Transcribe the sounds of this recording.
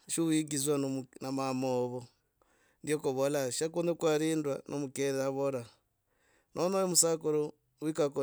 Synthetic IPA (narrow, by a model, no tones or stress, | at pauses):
ʃiuiɡizwannamamoβo | ndjokoβolaʃakunekwaɾiːndwanʔomukeɾaβoɾa | nʔonojomusakoɾo | wikako